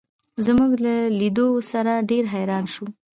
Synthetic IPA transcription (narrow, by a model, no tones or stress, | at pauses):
zmuɡlalid̪osaɾaɖeɾɦajɾɑnʃu